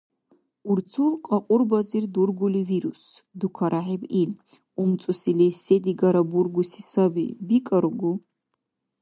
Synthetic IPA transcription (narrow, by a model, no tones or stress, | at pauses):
uɾt͡sʰulqʼaqʼʊrbazird̪urɡuliviɾusd̪ukʰaɾʔaħibil | umt͡sʼusilɛsed̪iɡaɾaburɡusisabḭbikʼaɾuɡu